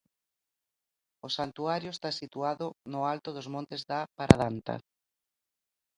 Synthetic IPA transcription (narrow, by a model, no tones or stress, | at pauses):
osant̪uaɾjʊest̪asit̪uaðʊnʊalt̪ʊðozmõnt̪ezðapaɾʔa̰ðant̪a̰